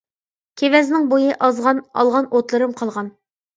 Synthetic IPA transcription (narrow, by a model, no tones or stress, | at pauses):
kʲʰevɛznɪŋbojɨʔɑzʁɑnɑ̰lˠʁɑnʔot̪lˠɨɾɨmqʰɑlˠʁɑn